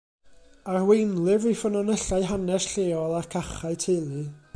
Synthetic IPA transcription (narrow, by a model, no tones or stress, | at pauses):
arwejnlˠɪvifənɔnəɬaɨɦanɛsɬeːɔlˠarkʰaχaɨtʰelˠɨ